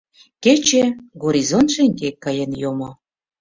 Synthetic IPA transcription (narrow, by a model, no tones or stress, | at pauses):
ket͡ɕeɡoɾʲizont̪ʃeŋɡekːɑjenjomo